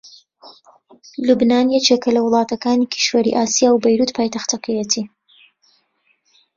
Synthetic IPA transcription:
lubnaːnjɛt͡ʃeːkɐlɐwɨlˠɑːt̪ɐkaːnikʰi̥ʃwɐɾḭʔaːsijaːwbɐjɾuːt̪pʰaːjt̪ɐxt̪ɐkʰɐjet̪ʰiː

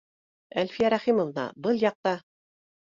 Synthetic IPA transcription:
ælʲfijæɾɑχimŏvnɑ̰bɤlˠjɑq̚t̪ɑ

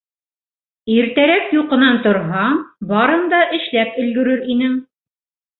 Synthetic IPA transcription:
iɾt̪æɾækjuqɤ̆nɑnt̪ŏɾɦɑbɑɾɤnd̪ɑʔɘ̆ʃlæpɵ̆lɡɵ̆ɾɵɾinɘŋ

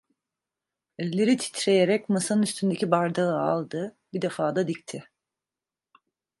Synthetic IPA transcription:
ɛlʲlʲe̞ɾit̪ʰi̥t̪ɾe̞jeɾɛcmasanɯnyst̪ʰynd̪e̞cʲibaɾd̪aɯa̰lˠd̪ɯbid̪e̞faːd̪ad̪ict̪ʰɪ

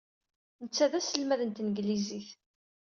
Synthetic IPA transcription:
nət͡sːæðæsəlmæðənt̪nəɡliziθ

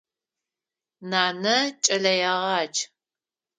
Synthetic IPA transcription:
naːnɐt͡ʃʼɐɮɐjɐʁɑːt͡ʃ

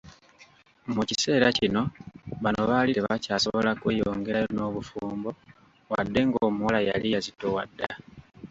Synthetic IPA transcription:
mucise̞ːɾacino̞βano̞βaːliteβacaːso̞βo̞lakwe̞ːjo̞ːŋɡe̞ɾajono̞ːβufuːmbo̞ | wadːe̞ŋɡoːmuwalaja̰lijazitowa̰dːa̰

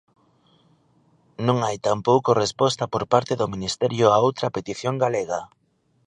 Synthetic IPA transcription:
nõŋajt̪ampowkorespɔst̪ɐpoɾpaɾt̪eðominist̪ɛɾjʊaowt̪ɾɐpet̪iθjoŋɡaleɣa

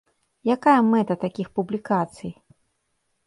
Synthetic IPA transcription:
jakajɐmɛt̪ɐt̪akʲixpublʲikat̪sɨj

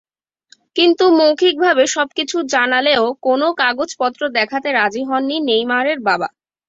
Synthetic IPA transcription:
kint̪umowkʰik̚bʱabeʃɔb̚kit͡ɕʰud͡ʑanaleokonokaɡod͡ʑpɔt̪ːɾod̪ɛkʰat̪eɾad͡ʑiɦɔnːinejmaɾeɾbaba̰

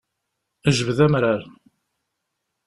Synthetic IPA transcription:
əʒəvəðæmɾaɾ

